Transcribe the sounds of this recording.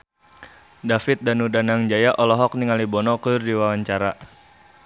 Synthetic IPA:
dafit̪̚danudanaŋd͡ʒajaʔɔlɔɦɔk̚niŋalibɔnɔkɨrdiwawaɲt͡ʃaɾa

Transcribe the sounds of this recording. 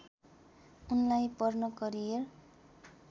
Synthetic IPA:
unlajpʌrnʌkʌɾijer

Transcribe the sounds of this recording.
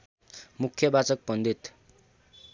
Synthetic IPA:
mukʰːjʌbat͡sʌk̚bʌnd̪it̪

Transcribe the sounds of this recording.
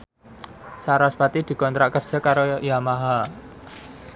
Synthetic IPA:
saɾaspat̪id̪̥i̤kɔnt̪ɾaʔkərd̥ʒ̥a̤kaɾojamaɦa

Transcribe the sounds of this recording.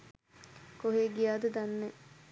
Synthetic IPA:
koɦeːɡijaːd̪əd̪anːe

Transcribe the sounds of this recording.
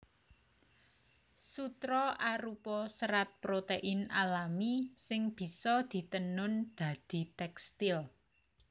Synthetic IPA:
sut̪ɾɔʔaɾupɔsəɾat̪̚pɾot̪eʔɪnalamisɪŋb̥i̤sɔd̪̥i̤t̪ənʊnd̪̥ä̤d̪̥i̤t̪ɛkst̪ɪl

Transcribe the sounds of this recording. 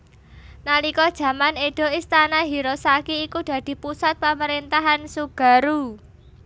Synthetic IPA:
nalikɔd̥ʒ̥ä̤maneɖ̥o̤ist̪anaɦiɾosakiːkud̪̥ä̤d̪̥i̤pusat̪̚paməɾint̪aɦansuɡ̥a̤ɾu

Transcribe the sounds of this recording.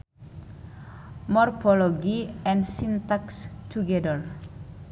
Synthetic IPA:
mɔrfɔlɔɡiɛ̃nsint̪akst̪ʰuɡɛdər

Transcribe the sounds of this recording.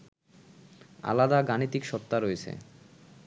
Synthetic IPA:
a̰lad̪aɡanit̪ikʃɔt̪ːaɾoet͡ɕʰḛ

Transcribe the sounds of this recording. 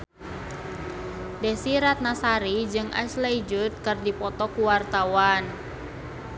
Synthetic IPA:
dɛsiɾat̪̚nasaɾid͡ʒɨŋʔa̰sleid͡ʒut̪̚kɨrdipɔt̪ɔkuwart̪awan

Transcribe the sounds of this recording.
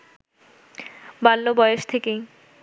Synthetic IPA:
balːobɔeeʃt̪ʰeke

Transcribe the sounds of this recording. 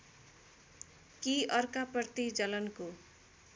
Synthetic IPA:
kiʌrkapʌrt̪id͡zʌlʌnko

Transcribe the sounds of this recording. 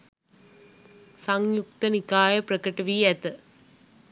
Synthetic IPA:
sɐŋjuk̚t̪ɐnikːaːjɐprɐkɐʈːɐʋiːɐt̪ːɨ

